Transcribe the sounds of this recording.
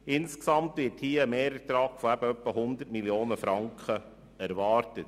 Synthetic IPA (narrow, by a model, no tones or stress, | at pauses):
ɪnsksɑmt̪vɪɾthiːəmeːɾət̪ɾɑːɡ̥foæb̥əœpːəhʊnd̪ətmiljoːnəfɾɑŋkχə | æɾvɑːɾtət